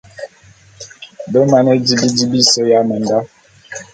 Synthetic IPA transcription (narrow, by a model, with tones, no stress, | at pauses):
bə˦ma˨nə˦d͡ʒi˦bi˦di˦bi˦sə˦ja˦mə˨nda˦